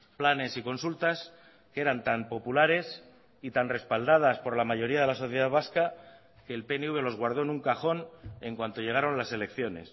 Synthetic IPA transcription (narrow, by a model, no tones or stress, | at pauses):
plane̞siko̞nsult̪as | kee̞ɾant̪ampo̞pulaɾe̞s | it̪anre̞spald̪að̞aspo̞ɾlamaʝo̞ɾiað̞e̞laso̞θjeð̞aðβaska | ke̞ːlpe̞neuβe̞lo̞zɣ̞waɾð̞o̞enuŋkaχo̞ne̞ŋkwant̪o̞ʝe̞ɣ̞aɾo̞nlase̞le̞kθjo̞ne̞̰s